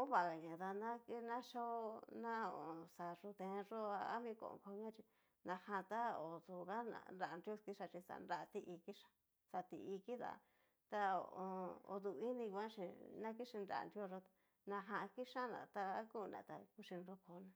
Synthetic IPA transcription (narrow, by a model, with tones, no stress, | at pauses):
o˦βa˨ɣa˨ɲã˨ða˧nã˦ki˦nã˦ʃo˦˧˦nã˦o̰˨sa˨ʐu˧t̪ẽ˧ʐo˦a˧a̰˦mĩ˦ko̰˧˨õ̰˨˧ko˧ɲã˦t͡ʃi˧ | nã˧hã˧t̪a˦o˨ðu˧˨˧ɣa˦nã̰˧nɾa˨˧nɾo˦˧ski˦ʂa˧t͡ʃĩ˧sa̰˧nɾa˧t̪i˧ʔi˧ki˦ʃḁ˧ | sa˧t̪ḭ˧i˧ki˦ða̰˧˨ | t̪a˧oo˧o̰˧d̪u˧i˦nĩ˧kʷã˦ʃi˧nã˦ki˦ʂi˧nɾa̰˨˧nɾjo˧ʐo˧t̪a˨ | nã˧ɦã˧ki˦ʂã˦nã̰˨t̪a˧˦ku˦˧nã̰˨˧˨t̪a̰˧ku˦ʃi˧nɾo˦ko˧nã˧